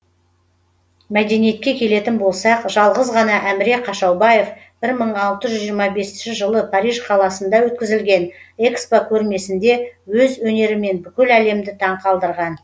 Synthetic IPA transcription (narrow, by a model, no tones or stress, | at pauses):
mæd̪e̞nije̞t̪̚kʲe̞kʲʰe̞le̞t̪ɪnbo̞lˠsɑqʒɑlˠʁəzʁɑnɑʔæmɪɾe̞kʰːɑʃɑwbɑje̞f | b̥ɪɾməɴɑlˠt̪əʒʏzʒijɾmɑbe̞sɪnʃɪʒəlˠəpʰɑɾijʒqʰɑlˠɑsənd̪ɑwɵt̪̚kʲɪzɪlɡʲe̞ne̞kspokʲʰɵɾme̞sɪnd̪e̞wɵzwɵne̞ɾɪme̞nbʏkʲɪlæle̞md̪ɪt̪ʰɑɴqʰɑlˠd̪əɾʁɑn